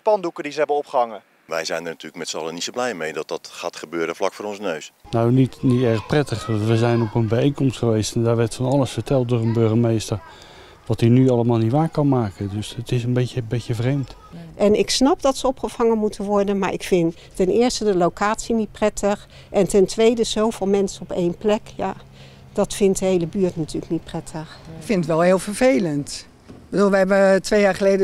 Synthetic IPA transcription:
pɑndukədizəɦɛbənɔpχəɦɑŋə | ʋɛjzɛjnənatyːləkmɛtsəɑlˠənitsowblɛjmejdɑt̚dɑtχaːtχəbøːɾəvlɑkfʊːɾɔnzənøɥsnawnitnitɛɹəχprɛtəχɑʋəzɛjnɔpənbɛejnkɔmstχəʋejstɛndaːɹʋɛɹtfɑnɑləsfəɹtʰɛlˠt̚dʊːɹənbøɹχəmejstəɹ | ʋɑtinyɑləmaːlˠnitʋaːkɑnmaːkəndɵsətɪsənbeəbeəvrejmt | ʔɛnɪksnɑp̚dɑtsəɔpχəv̥ɑŋənmutʰənʋɔɹdənma̰ːɹʔɪkfɪn | tɛnɪːɹstədəlowkʰaːtsinit̚prɛtʰəχ | ʔɛntɛntʋejdəz̥owv̥ɪːlˠmɛnsəɔpejnplɛkja̰ | d̥ɑtfɪntdəɦejləbyːɹtnatʰyːləknit̚prɛtʰəχfɪnətʋɛlˠɦɪːlˠfəɹvejlənt | b̥əduːlˠʋəɦɛbətʋejaːɹχəlejdə

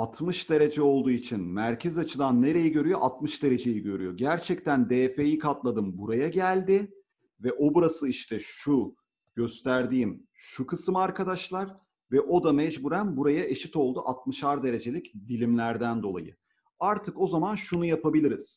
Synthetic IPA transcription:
at̪ʰmɯʃd̪e̞ɾe̞d͡ʒɛo̞lˠd̪uːit͡ʃʰinmæɾcʰɛzat͡ʃʰɯd̪anːe̞ɾe̞jiɟø̞ɾyjo̞ʔat̪mɯʃd̪e̞ɾe̞d͡ʒe̞jiɟø̞ɾy̰jo̞ɟæɾt͡ʃʰɛct̪ʰænd̪eːfejikʰat̪lˠad̪ɯmbuɾajaɟælʲd̪ɪ | vɛʔo̞buɾasɯiʃt̪ʰɛʃu | ɟ̥ø̞st̪ʰæɾd̪iːm | ʃukʰɯsɯmaɾkʰad̪aʃlˠaɾ | vɛʔo̞d̪amɛd͡ʒbuɾænbuɾajaʔe̞ʃit̪o̞lˠd̪uʔat̪̚mɯʃaɾd̪e̞ɾe̞d͡ʒe̞lʲicd̪ilʲimlʲæɾd̪ænd̪o̞lˠa̰jɯ̰ | aɾt̪ʰɯko̞zamanʃunujapʰabilʲiɾiz̥

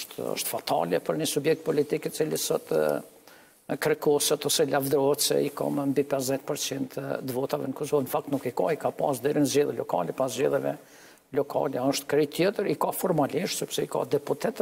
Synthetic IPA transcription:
ʃt̪ɔ̰ʃt̪fat̪a̰lɛpəɾnisubjɛk̚t̪̚pɔlit̪ikɛt͡silisɔt̪ | kɾɛkɔsɔt̪ɔsɛlavd̪ɾɔhɛt̪sɛ̰ika̰məmbipɛsðɛt̪̚pəɾt͡sint̪t̪əvɔt̪avɛ̰nəkɔsɔvnəfak̚t̪nukika̰ikapasd̪ɛɾinəzd͡ʑɛðɛlɔ̰ka̰lɛpaszd͡ʑɛðɛvɛ̰ | lɔkʰa̰lɛɔʃt̪kɾit̪jɛt̪əɾikafɔɾmaliʃt̪sɛpsɛika̰d̪ɛput̪ɛt̪

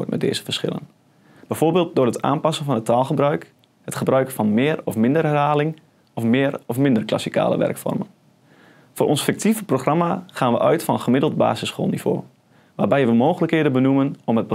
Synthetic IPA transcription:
ət̚mʔɛt̚dḛːzə̥fərsχɪ̰lə̰n | b̥ɛjvorbeːlˠt̚dʊːrɦəta̰ːnpasənfɔnɦətʰaːlˠχəbrœɥk | hətχəbrœɥkfɔnmɪːrɔfmɪndərɛrhaːlɪŋ | ɔfmɪːrɔfmɪndərkla̰sikʰa̰ːlə̰ʋɛ̰rkfɔ̰rmən | fʊːʔɔnsfɪk̚tʰivəproχramaχaːnʋəʔœɥtfɔnənχəmɪdəl̩ˠdba̰ːzɪsχo̰ːlˠniv̥o̰ː | ʋaːrbɛjʋəmoːxələkheːdənbənumənɔmət̚bə

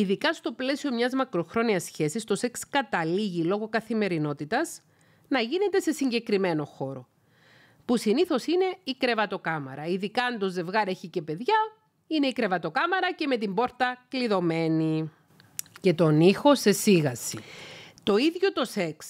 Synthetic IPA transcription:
iðikɐst̪o̞ple̞sio̞mɲɐzmɐkɾo̞xɾo̞niɐsçe̞sist̪o̞se̞kskɐt̪ɐliʝilo̞ɣo̞kɐθime̞ɾino̞t̪it̪ɐz | nɐʝine̞t̪e̞se̞siɲɟe̞kɾime̞no̞xo̞ɾo̞ | pusiniθo̞sine̞ikɾe̞vɐt̪o̞kɐmɐ̰ɾɐiðikɐːnd̪o̞ze̞vɣɐɾe̞çice̞pe̞ðʝɐ | ine̞ikɾe̞vɐt̪o̞kɐmɐɾɐce̞me̞t̪̬imbo̞ɾt̪ɐkliðo̞me̞ni | ce̞t̪o̞nixo̞se̞siɣɐsit̪o̞iðʝo̞t̪o̞se̞ks

